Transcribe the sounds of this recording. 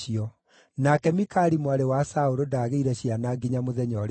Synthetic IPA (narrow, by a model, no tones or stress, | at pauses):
iɔ | nakɛmikaɾimwaɾewasaoɾodaɣeiɾɛɕianaɡiɲamoðɛɲɔɾ